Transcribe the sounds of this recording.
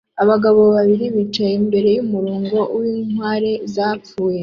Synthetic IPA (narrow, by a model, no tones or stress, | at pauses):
aβaɡaβo̞βaβiɾiβit͡ʃajimbe̞ɾe̞jumuɾuːŋɡo̞wiːŋwaːɾe̞zaːp͡fuːje